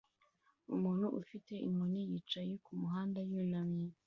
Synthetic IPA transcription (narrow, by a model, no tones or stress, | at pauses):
umuːn̥huʔufite̞ʔimunijiːt͡ʃajekumuɦaːndajunamɲe